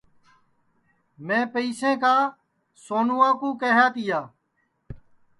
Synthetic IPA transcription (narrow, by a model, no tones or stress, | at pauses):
mẽːpəiːsẽːkaː | soːnuːãːkũːkeːɦaːt̪ɪjaː